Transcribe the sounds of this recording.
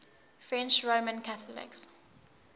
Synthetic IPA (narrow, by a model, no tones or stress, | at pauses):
fɹɛ̃nt͡ʃɹomə̃nkʰaθəlɪ̰ks